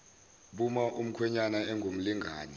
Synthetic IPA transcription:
ɓumaʔum̩kʰwɛɲanaɛŋɡʱom̩liŋɡʱaːnɛ

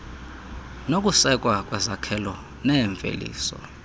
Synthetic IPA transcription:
nokʼusɛkʼwakʼwɛzakʰɛlɔ | nɛɱvʱḛlḭːsɔ̰

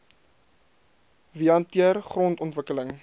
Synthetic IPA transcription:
viɑntiərχrɔntɔntvəkələŋ

